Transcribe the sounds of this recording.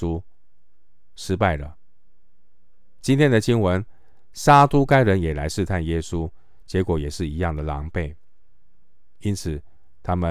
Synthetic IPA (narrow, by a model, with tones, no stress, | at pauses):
u˦˥ | ʂɻ̩˥pa˥˩ɪlə̰˩ | t͡ɕi˥nt̪ʰjɛ˥nd̪ə˨t͡ɕi˥nwə˧˦n | sa˥t̪u˥ka˥ɪɻə˧˦˥njɛ˨˩la˧˥ɪʂɻ̩˥˧t̪ʰa˥˩njɛ˦su˦ | t͡ɕjɛ˧˥kwɔ˨˩jɛ˨˩ʂɻ̩˥˩i˧˥jɑ˥˩ŋd̪ə˩lɑ̰˧˥ŋpe˥˩ɪ | i˥nt͡s̩ʰ˨˩ | t̪ʰa˥mə˨